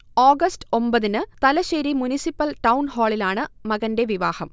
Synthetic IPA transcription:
oːɡɐstɨ̥o̞mbɐðinɨt̪ɐlɐɕɐɾimunisipːɐlʈɐwnhoːɭilaːɳɨmɐɣɐnde̞ʋiʋaːhɐm

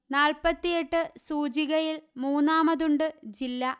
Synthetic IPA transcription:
naːlpɐt̪ːijeʈːɨsuːd͡ʑiɣɐjilmuːnːaːmɐðuɳɖɨd͡ʑilːɐ

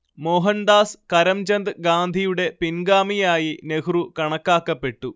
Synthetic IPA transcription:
moːɦɐnd̪aːskɐɾɐmd͡ʑɐnd̪ɨɡaːnd̪ʱijuɽe̞pinɡaːmijaːjine̞kʰrukɐɳɐkːaːkːɐpːe̞ʈːu

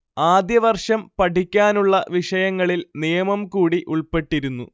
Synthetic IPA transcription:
aːd̪jɐʋɐrʂɐmpɐʈikʲːaːnuɭːɐʋiʂɐjɐŋːɐɭilnijɐmɐmkuːɽiʔuɭpe̞ʈːiɾunːṵ

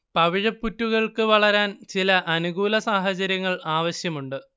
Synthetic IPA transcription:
pɐʋiɻɐpːutːuɣɐɭkɨʋɐɭɐɾaːnt͡ɕilɐʔɐnuɣuːlɐsaːɦɐt͡ɕɐɾjɐŋːɐɭaːʋɐɕjɐmuɳɖɨ

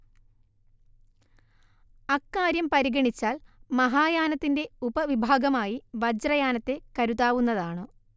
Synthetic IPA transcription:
ɐkːaːɾjɐmpɐɾiɡɐɳit͡ɕːaːlmɐɦaːjaːnɐt̪ːinde̞ubɐʋibʱaːɡɐmaːjiʋɐd͡ʑrɐjaːnɐt̪ːe̞kɐɾuðaːʋunːɐðaːɳɨ

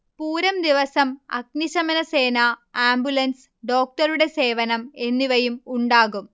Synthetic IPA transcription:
puːɾɐmd̪iʋɐsɐmɐ̰ɡniɕɐmɐnɐse̞ːnɐaːmbjulɐns | ɖo̞ːk̚ʈɐɾuɽe̞se̞ːʋɐnɐme̞nːiʋɐjumuɳɖaːɣum

